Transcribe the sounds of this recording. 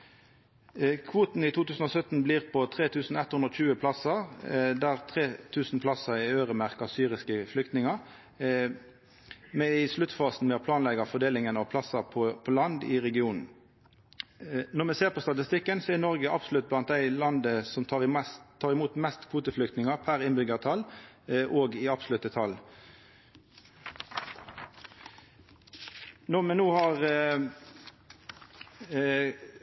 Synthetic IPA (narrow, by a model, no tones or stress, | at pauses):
kʰʋuːt̪n̩it̪ʰuːt̪ʰʉːsn̩ɔsœt̪n̩bliːʁpʰɔt̪ʰʁeːt̪ʰʉːsn̩ɛt̪hʉnʁɔçʉːəpʰlɑsəd̪æʁt̪ʰʁeːt̪ʰʉːsn̩pʰlɑsəɪøːʁəmæʁkɑʁsyːʁɪskəflʏkt̪nɪŋɑʁ | mɛɪslʉt̪fɑːsn̩mɛɔpʰlɑːnlɛɡɑfɔd̪eːlɪŋənɑʋpʰlɑsəpʰɔpʰɔlɑnd̪ɪ̰ʁɛɡɪuːnn̩ | nɔʁmɛseːʁpʰɔst̪ɑt̪ɪst̪ɪkːənsɔɛnɔʁɡəʔɑbslʉt̪̚blɑnt̪̚d̪æɪlɑnd̪əsɔmt̪ʰɑʁɪmsʰːɑːʁɪmuːt̪mɛst̪kʰʋuːt̪əflʏk̚t̪nɪŋɑpʰæʁɪnbʏɡəʁt̪ʰɑl | ʔoːɡɪɑbslʉt̪ːət̪ʰɑl | nɔʁmɛnoːhɑʁ